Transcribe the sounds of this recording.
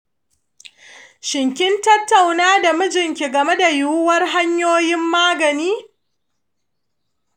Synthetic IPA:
ʃɪ˨ŋkʲɪ˦ntɐ˦tːa˨wnaː˦da˨mʊ˦d͡ʒɪ˨ŋkʲi˨ɡɐ˨me˦da˨jʊ˦˨wʊ˦wɐ˦rɦa˦ɲjoː˦jɪ˦mːaː˦ɡɐ˨niː˦

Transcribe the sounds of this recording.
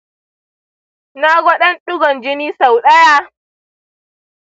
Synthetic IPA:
na˦ɡʷɔ˦ɗɐ˦nɗʊ˦ɡɔ˨nd͡ʒɪ˦niː˦sa˨wɗɐ˦ja˦

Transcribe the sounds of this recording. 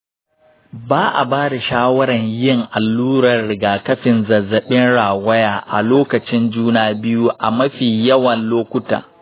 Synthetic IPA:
baː˦ʔa̰˨baː˦da˨ʃaː˦wɐ˦ɾɐ˨ɲjɪ˦ŋʔa˨lːuː˦ɾɐ˨rɽɪ˨ɡaː˨kɐ˦ɸɪ˨nzɐ˨zɐ˨ɓɪ˦nɽaː˨wɐ˦jaː˨ʔa̰˨loː˦kɐ˨t͡ʃɪ˦nd͡ʒuː˦naː˦bɪ˦ju˦ʔa˨mɐ˦ɸiː˨jɐ˦wɐ˨nloː˦kʷʊ˦ta̰ː˨

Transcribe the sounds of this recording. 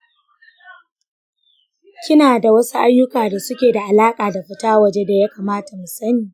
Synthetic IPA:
kʲɪ˦naː˨da˨wɐ˦su˦ʔa˦jːʊ˦kaː˨da˨sʊ˦kʲeː˨da˨ʔa˨laː˦kʼaː˨da˨ɸɪ˦taː˦wɐ˨d͡ʒe˦da˨ja˦kaː˨maː˦ta˨mu˨sɐ˦niː˨

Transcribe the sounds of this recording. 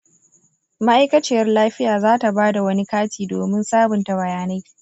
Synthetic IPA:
ma˦ʔa˦jkɐ˦t͡ʃɪ˦˨jɐ˦rlaː˦ɸɪ˦jaː˨zaː˦ta˨baː˦da˨wɐ˦ni˦kaː˦tiː˨doː˨mɪ˦nsaː˦bʊ˨nta˨bɐ˨jaː˦na˦j

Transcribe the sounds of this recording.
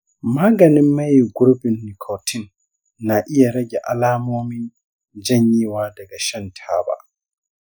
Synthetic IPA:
maː˦ɡɐni˦mːa˦jɡu˦ɾbi˨nːi˨kʰɔ˨tʰi˦nː | a˨ʔi˦ja˨ɾɐ˦ɡʲɛʔa̰˨laːmoː˦mi˦n | d͡ʒɐ˦ɲːiː˦waː˦da˨ɡaʃɛ˦ntʰaːba̰

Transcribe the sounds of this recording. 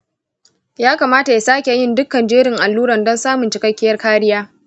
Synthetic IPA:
jaː˦kaː˨maː˦ta˨ja˨saː˦kʲe˨jɪ˦ndʊ˦kːɐ˨nd͡ʒeː˦ɽɪ˨ŋʔa˨lːuː˦ɾɐ˨ndɔ˦nsaː˦mʊ˨nt͡ʃɪ˨kɐ˦kʲːɪ˦jɐ˦rkaː˦ɽɪ˦jaː˦

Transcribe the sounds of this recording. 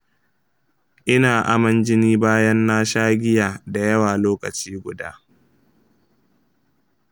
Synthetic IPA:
ʔɪ˦naː˨ʔa˨mɐ˦nd͡ʒɪ˦niː˦baː˦jɐ˦nːaː˦ʃaː˦ɡʲɪ˦jaː˨da˨jɐ˦waː˨loː˦kɐ˨t͡ʃiː˦ɡʷʊ˨da̰ː˦

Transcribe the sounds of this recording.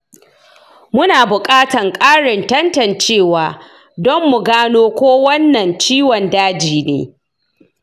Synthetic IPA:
mʊ˦naː˨bʊ˨kʼaː˦tɐ˨ŋkʼaː˦ɽɪ˨ntɐ˦ntɐ˨nt͡ʃeː˦˨waː˨ | dɔ˦mːʊ˨ɡaː˦noː˦kʷoː˦wɐ˦nːɐ˨nt͡ʃiː˦wɐ˨ndaː˦d͡ʒiː˨nḛː˦

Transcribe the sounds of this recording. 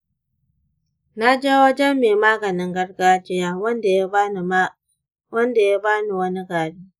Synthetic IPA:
na˦d͡ʒeː˦wɐ˦d͡ʒɛ˦mːeː˨maː˦ɡɐ˨nɪ˦ŋɡɐ˦ɽɡaː˦t͡ʃɪ˦jaː˦wɐ˦nda˨ja˦n˨˦ | wɐ˦nda˨ja˦baː˦ni˨wɐ˦ni˦ɡaː˨biː˦

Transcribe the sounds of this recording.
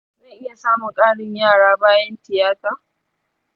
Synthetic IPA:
zɐ˦˨nʔɪ˦ja˨saː˦mʊ˨ŋkʼaː˦ɽɪ˦ɲjaː˦˨ɽaː˦baː˦jɐ˦ntɪ˨jaː˦taː˨

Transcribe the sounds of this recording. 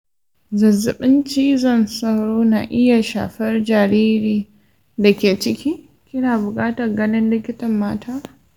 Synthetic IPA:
zɐ˨zːʊ˨ɓɪ˦nt͡ʃiː˦zɐ˨nsɐ˦wɽoː˦naː˨ʔɪ˦ja˨ʃa̰ː˨ɸɛ˦rd͡ʒaː˨ɾiː˦ɾiː˨ | da˨kʲeː˨t͡ʃɪ˦kʲi˦ | kʲɪ˦naː˨bʊ˨kʼaː˦tɐ˨rɡɐ˦nɪ˦nlɪ˦kʲɪ˦tɐ˨mːaː˦tʰaː˦

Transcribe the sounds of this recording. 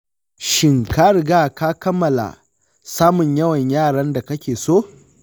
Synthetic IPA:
ʃɪ˦ŋka˦ɽɪ˨ɡaː˦kaː˦kɐ˦mːɐ˨la̰˨ | saː˦mʊ˨ɲjɐ˦wɐ˨ɲjaː˦˨ɽɐ˦nda˨kɐ˦kʲeː˨soː˦˨

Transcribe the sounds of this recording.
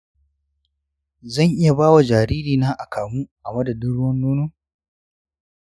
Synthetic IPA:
zɐ˦˨ŋʔɪ˦ja˨baː˦wa˨d͡ʒaː˨ɾiː˦ɾiː˨naː˦ʔa˨kaː˨muː˦ʔa˨mɐ˦da˨dʊ˦ɽʊ˦wɐ˦nːuː˦nuː˦

